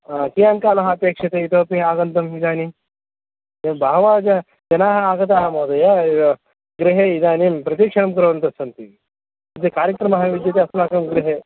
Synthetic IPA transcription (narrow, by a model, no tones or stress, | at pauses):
aːkijaːŋkaːlɐɦɐɐpeːkʂɐt̪eit̪oːpiaːɡɐnt̪ɐmid̪aːni | d̪embʱaːʋaːd͡ʒɐ | d͡ʒɐnaːɦɐaːɡɐt̪̬aːɦɐmɐːd̪ɐjaː | ɡɾiɦeid̪aːnimpɾɐt̪̬ikʂɐnɐmkɐɾɐʋɐnt̪ɐsɐnt̪i | ɐt̪ːekaːɾjɐkɾɐmɐɦɐʋid̪jɐt̪̬eɐslaːkɐmɡɾiɦeː